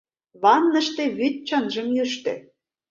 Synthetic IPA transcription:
βɑnːə̆ʃt̪ĕβyt̪̚t͡ɕənʒə̆mjyʃt̪ḛ̆

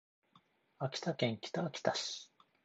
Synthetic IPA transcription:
akʲi̥t̪akẽŋkʲi̥t̪aːkʲi̥t̪aɕi̥

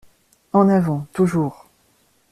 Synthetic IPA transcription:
ɑ̃navɑ̃t̪uʒuːʁ

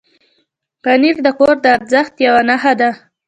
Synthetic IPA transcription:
qaniɾd̪əkoɾd̪əaɾzəxt̪jawanaɦad̪a

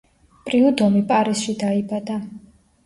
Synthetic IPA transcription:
pʼɾiud̪ɔmipʼaɾisʃid̪aibad̪a

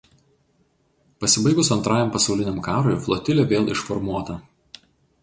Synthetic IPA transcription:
pɐsʲɪbɐɪɡʊsɐnt̪ɾɑːjɛmpɐsɒʊlʲɪnʲɛmkɑːɾojflˠɔt̪ʲɪlʲeʋʲeːlˠɪʃfɔɾmuɔt̪ɐ

